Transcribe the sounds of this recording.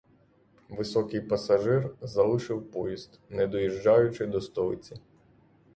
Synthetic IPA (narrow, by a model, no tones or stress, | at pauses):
ʋɪsɔkɪjpɐsɐʒɪrzɐlˠɪʃɪwpɔjizt̪nɛd̪ɔjiʒd͡ʒɑjʊt͡ʃɪd̪ɔst̪ɔɪt͡sʲi